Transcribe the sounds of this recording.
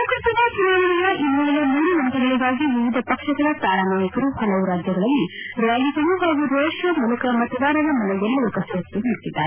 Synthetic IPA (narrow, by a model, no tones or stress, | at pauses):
ukɾɐt̪ɐnɐt͡ʃunaːʋɐɳijɐʔimːuɭɐlɐmuːɾuʋɐnt̪ɐɡɐɭiɡaːɡiʋiʋid̪ʱɐpɐkʂɐɡɐɭɐt̪aːɾaːnaːjɐkɐɾuhɐlɐʋuɾaːd͡ʒjɐɡɐɭɐlːiɾaːlisɐɾuɦaːɡuɾeːʃjɐmulɐkɐmɐt̪ɐʋaːɾɐd̪ɐmɐlɐɡɐmmuːlukɐsɐɾɐt̪ːuɦiːʈ̪ːid̪ːa̰ːɾe